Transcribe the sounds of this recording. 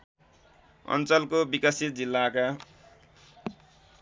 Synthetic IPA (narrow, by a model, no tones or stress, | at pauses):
ʌ̰nt͡sʌlkobikasit̪̚d͡zilːaka